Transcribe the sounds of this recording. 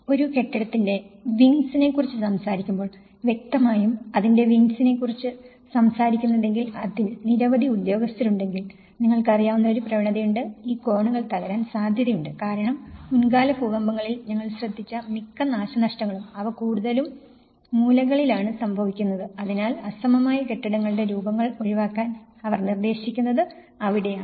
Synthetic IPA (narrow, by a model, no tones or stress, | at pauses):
o̞ɾuke̞ʈːɐɽɐt̪ːindeʋiŋsine̞kːurit͡ɕːɨsɐmsaːɾikʲːumbo̞ːɭ | ʋje̞k̚t̪ɐmaːjumɐðinde̞ʋiŋsine̞kːurit͡ɕːɨ | sɐmsaːɾikʲːunːɐðe̞ŋɡilɐðinniɾɐʋɐðiud̪jo̞ːɡɐst̪ɐluɳɖe̞ŋɡil | niŋːɐɭkɨɐrijaːʋunːɐo̞ɾuprɐʋiɳɐðɐjuɳɖɨiːko̞ːɳuɣɐɭt̪ɐɣɐɾaːnsaːd̪ʱjɐðɐjuɳɖɨkaːɾɐɳɐmːunɡaːlɐfuɡɐmbɐŋːɐɭilɲɐŋːɐɭɕrɐd̪ʱːit͡ɕːɐmikːɐnaːɕɐnɐʂʈɐŋːɐɭumɐʋɐkuːɽuðɐlumː | uːlɐɣɐɭilaːɳɨsɐmbʱɐʋikʲːunːɐðɨɐðinaːlɐsɐmɐmaːjɐke̞ʈːɐɽɐŋːɐɭɨɽe̞ɾuːbɐŋːɐɭo̞ɻiʋaːkːaːnɐʋɐrnird̪e̞ːɕikʲːunːɐðɨ | ɐʋiɽe̞jaː